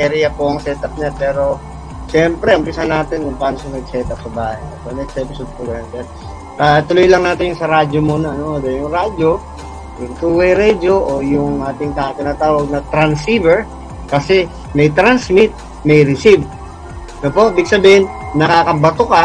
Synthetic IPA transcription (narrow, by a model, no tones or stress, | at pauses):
ʔɛɾɪjɐpoʔɐŋsɛːt̪ɐp̚ɲapɛːɾo̞ | ʃɛmpɾɛʔʊmpɪsanaːt̪ɪnkʊŋpaːnosɐŋnɐɡ̚sɛːt̪ɐp̚sɐbaːhɐnsonɛkst̪ɛːpɪsod̪̚pʊɡɐjonkjan | ʔɐt̪ʊlojlɐŋnaːt̪ɪnjʊŋsɐɾaːd͡ʒomuːnɐʔɐnoʔd̪ɛjʊŋɾaːd͡ʒo | jʊŋt̪uːwɐjɾɛd͡ʒo̞ʔojʊŋʔaːt̪ɪŋt̪at̪ɪnaːt̪aːwɐɡ̚nɐt̪ɾɐnsivɛɹ | kɐsɛ | mɐjt̪ɾansmɪt̪̚ | mɐjɾɪsib̚ | nopo̞ʔɪbɪɡ̚sɐbiːhɪnnɐkaːkɐbɐt̪oka